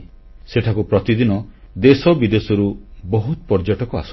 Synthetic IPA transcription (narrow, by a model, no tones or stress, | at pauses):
seʈʰakupɾɔt̪id̪inɔ | d̪esɔbid̪esɔɾubɔɦut̪pɔɾd͡ʒɔʈɔkɔa̰s